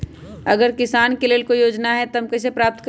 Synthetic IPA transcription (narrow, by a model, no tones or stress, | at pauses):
ɐɡəɾkɪsaːnkeleːlkojoːd͡ʒnaɦɛt̪ɐmkes̬epɾaːp̚t̪k